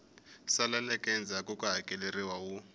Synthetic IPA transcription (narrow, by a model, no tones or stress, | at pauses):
salalɛkʼɛnd͡zʱakʼukʼuɦakʼɛleriwawu